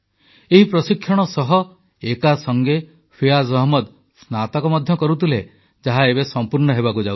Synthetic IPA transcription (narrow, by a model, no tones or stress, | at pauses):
eɦipɾɔsikʰːjɔɽ̃ɔsɔɦɔ | ekasɔŋɡe | pʰijazɔɦmɔd̪ | snat̪ɔkɔmɔd̪ʱjɔkɔɾut̪ile | d͡ʒaɦaeβesɔmpuɾɳɔɦeβakud͡ʒaw